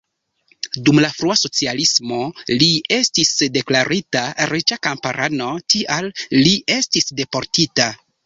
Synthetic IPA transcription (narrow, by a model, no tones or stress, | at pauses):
dumlafɾuaso̞t͡sialismo̞lie̞stisde̞klaɾitaɾit͡ʃakampaɾʔano̞tiʔalːie̞stisde̞po̞ɾtita